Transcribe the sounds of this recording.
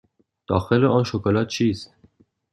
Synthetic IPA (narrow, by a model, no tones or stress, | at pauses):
d̪̥ɒːxeleʔɒːnʃokʰolɒːt̪̚t͡ʃʰiːst̪